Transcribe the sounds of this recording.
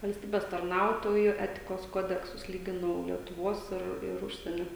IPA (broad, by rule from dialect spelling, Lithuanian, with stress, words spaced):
ʋɐlʲsʲˈtʲiːbʲɛs tɐrˈnɐʊtoːjʊ ˈæːtʲɪkoːs ˈkoːdʲɛksʊs ˈlʲiːɡʲɪnɐʊ lʲiɛtʊˈʋoːs ˈɪr ɪr ˈʊʃʲsʲiɛnʲoː